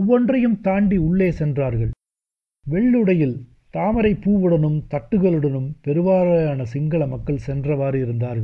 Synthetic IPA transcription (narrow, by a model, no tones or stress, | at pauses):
ɔʋːɔndrɐjɯmt̪aːɳɖiʊɭːeːsɛndraːɾɣɐɭ | ʋɛɭːɯɽɐjɪl | t̪aːmɐɾɐɪpːuːʋɯɽɐnɯmt̪ɐʈːɯɣɐɭɯɽɐnɯmpɛɾɯʋaːɾɐjaːnɐsɪŋɡɐɭɐmɐkːɐɭsɛndrɐʋaːɾɪɾɯnd̪aːɾɣɐɭ